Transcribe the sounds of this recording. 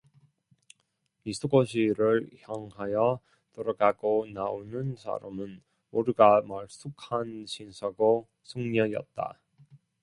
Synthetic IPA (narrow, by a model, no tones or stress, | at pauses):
isʰoɡoɕʰiɾɯɭçjʌŋɦajʌ | t͈oɾaɡaɡonaonɯnsʰa̰ɾa̰mɯn | oɾɯɡamaɭs͈ʰukʰanɕʰinsʰʌɡo | sʰuŋɲʌɲiʌ̰t̚t͈a̰